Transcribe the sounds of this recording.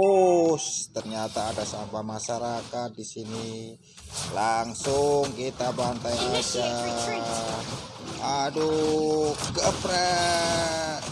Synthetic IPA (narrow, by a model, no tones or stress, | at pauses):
ost̪ərɲat̪aːdasambamaʃaɾakat̪̚disini | laŋsʊŋkit̪abant̪ajad͡ʒa | adu | ɡəpɾɛ